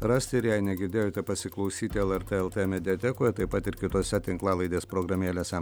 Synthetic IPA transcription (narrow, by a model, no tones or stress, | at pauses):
ɾɑːsʲt̪ʲɪɪɾjæɪnʲɛɡʲɪɾd̪ʲeːjoːt̪ʲɛpɐsʲɪklˠɐʊsʲiːt̪ʲɪɛlˠɛɾt̪eɛlˠt̪emʲɛd̪ʲɪɛt̪ʲɛkoːjɛt̪ɐɪpɐt̪ɪɾkʲɪt̪oːsʲɛt̪ʲɪŋklˠɑːlˠɐɪd̪ʲeːspɾoːɡɾɐmʲeːlʲeːsʲɛ